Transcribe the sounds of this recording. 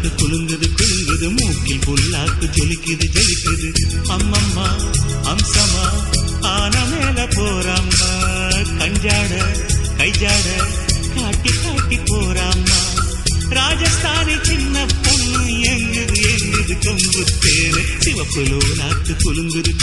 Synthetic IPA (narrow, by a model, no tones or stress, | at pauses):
t̪ɯkʊɭɯnd̪ɐðɯkʊɭɯŋɡɐðɯmuːkɪlpʊlːaːkːɯt͡ʃɔlɪkːɯðɯt͡ʃɔlɪkːɯðɯɐmːɐmːa | ɐmsɐmaː | aːnɐmeːlɐpoːɾaːma | kɐɲd͡ʒaːɽɐkɐɪd͡ʒaːɽɐ | kaːʈːikːaːʈːipːoːɾaːma | ɾaːd͡ʒaːsd̪aːnit͡ʃɪnːɐpːɔnːɯɛŋɡɯðɯɛŋɡɯðɯkɔŋɡɯt̪ːeːle | sɪʋɐpːɯloːlaːk̪ːɯkʊɭɯnɡ̪ɯðɯ